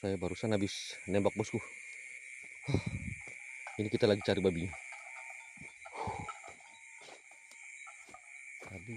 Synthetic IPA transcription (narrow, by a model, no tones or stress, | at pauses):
sajabaɾusanabisnɛmbak̚bɔskuh | ɔh | inikit̪alaɡit͡ʃaɾibabiɲ | abi